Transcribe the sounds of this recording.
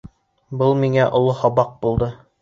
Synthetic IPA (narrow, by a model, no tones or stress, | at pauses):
bɤlˠmiŋæʔŏlˠohɑbɑq̚bulˠd̪ɤ